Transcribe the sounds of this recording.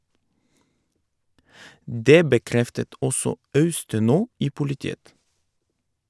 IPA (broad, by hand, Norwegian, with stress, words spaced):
ˈdeː bəˈkɾɛftət ˈʔɔsɔ ˈɑʉstəˌnoː ˈiː pʊlɪˈtiːət